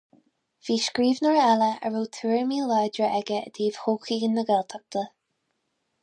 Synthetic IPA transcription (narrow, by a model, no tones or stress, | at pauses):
v̥iːʃkɹiːvnəɹaləə̰ɹoːt̪ʰuːɹmiːlajdɹəʔɛɡəə̰d̪iːv̥hoːkiːɡənːəɡɛlt̪ʰak̚t̪ʰə